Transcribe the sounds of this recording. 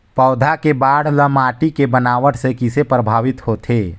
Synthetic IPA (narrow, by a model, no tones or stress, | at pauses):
pəːʊd̪ʱakebaːɽ̤ləmaːʈikebənaːʋəʈsekɪsepɾəbʱaːʋɪt̪hot̪ʰeː